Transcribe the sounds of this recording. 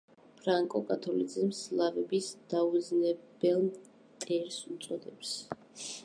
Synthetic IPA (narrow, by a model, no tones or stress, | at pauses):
pʰɾaŋkʼɔkʼat̪ʰɔlḭd̪zimslˠavɛbisd̪̥aud̪znɛbɛlˠm | t̪ʼɛɾsut̪sʼɔd̪ɛps